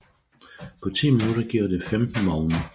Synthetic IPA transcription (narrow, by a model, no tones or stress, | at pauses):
pʰɒ̽t͡sʰḭːminuɾ̥ɐɡ̥iːɐ̰d̥e̝femd̥n̩mɒːʊnə